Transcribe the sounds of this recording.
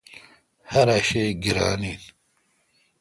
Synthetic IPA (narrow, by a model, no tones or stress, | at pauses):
hɐɾaʃeːɡiɾa̰ːniːn